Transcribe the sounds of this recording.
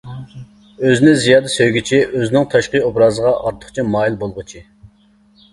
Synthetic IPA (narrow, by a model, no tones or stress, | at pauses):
øzɪnɪzijɑːd̪ɛsøjɡʲit͡ʃʰiʔøzɪnɪŋt̪ʰɑʃqɨobɾɑzəʁɑʔɑɾt̪ʰə̥χt͡ʃʰimɑːjilˠbolˠʁʊt͡ʃʰi